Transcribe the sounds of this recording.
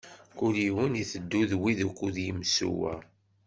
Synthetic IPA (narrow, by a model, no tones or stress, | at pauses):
kuliwəniθəd̪ːuðwiðukʷːuðjimsṵwæ̰